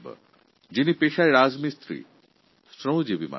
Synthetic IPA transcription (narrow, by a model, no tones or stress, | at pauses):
bə̰ | d͡ʑinipeʃaɾiɾazmist̪ɾḭ | stɾõw̃d͡ʒebima̰